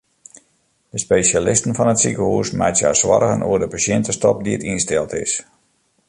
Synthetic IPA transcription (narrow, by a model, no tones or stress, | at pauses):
d̥əspejsalɪstən̩fɔnətsikəhuːsmɛjtsja̰sʋɔ̰ɾəɣənʔṵədəpasɪntəstɔp̚diətinstɛlˠtɪ̰s